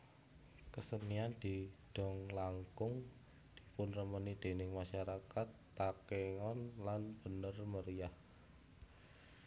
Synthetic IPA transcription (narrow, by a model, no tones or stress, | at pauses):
kəsəniand̪̥id̥ɔŋlaŋkʊŋ | d̥i̥pʊnrəmənid̪̥e̤nɪŋmaʃaɾakat̪ːakeŋɔnlanb̥ənərməɾiah